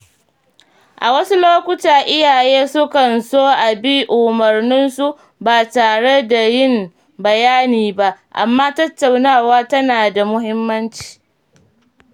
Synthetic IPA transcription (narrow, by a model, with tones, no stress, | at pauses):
ʔa˨wɐ˦su˦loː˦kʷʊ˦taː˨ʔɪ˦jaː˨jeː˦sʊ˦kɐ˨nsoː˦ʔa˨bi˦ʔʊ˨mɐ˨rnɪ˦nsu˦ | baː˨taː˨ɽe˦da˨jɪ˦˨m | bɐ˨jaː˦niː˨ba˦ʔʔa̰˨mːaː˦tɐ˦tːa˨wnaː˦˨waː˦tɐ˦naː˨da˨mʊ˦ɦɪ˦mːɐ˦nt͡ʃi̥ː˨